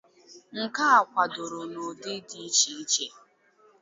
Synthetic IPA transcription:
ŋ̩˨ka˦a˨kʷa˨dʊ˨ɾʊ˨no˨dɪ˦di˦t͡ʃi˨˦i˦t͡ʃe˦

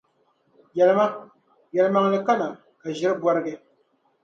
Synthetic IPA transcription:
jɛ˨lɨ˦ma˦ | jɛ˨lɨ˨ma˦ŋ˦lɨ˨ka˦na˨ | ka˨ʒɪ˦ɾɨ˦bwa˦ɾɨ˦ɡɛ˦

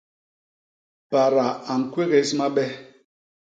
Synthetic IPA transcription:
pa˨ɾa˨a˨ŋ̩˨kwe˦ɣe˨˦sma˦ɓɛ˦

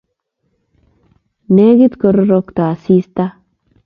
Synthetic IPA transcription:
ne˦ɡi˦t̪ko˨ɾo˦ɾo˦kt̪a˨si˦st̪a˦

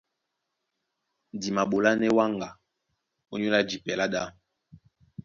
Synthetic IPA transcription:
di˨ma˨ɓo˨la˦nɛ˦wa˦ŋɡa˨ | o˦ɲo˦la˦d͡ʒi˨pɛ˨la˦ɗa˦

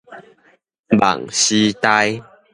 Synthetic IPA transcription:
ba̰˨˩ŋɕi˧t̪a˦j

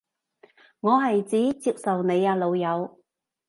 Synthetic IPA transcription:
ŋɔː˨˧ɦɐ˨jt͡siː˨˥t͡siː˧˥p̚sɐ˨wne˨˧jaː˧lo˨˧wjɐ˨˧w

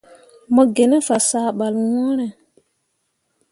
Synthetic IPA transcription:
mɔ˨ɡe˨nɛ˦fa˨saː˨ɓa˨lwɔ̃˦ɾɛ˨

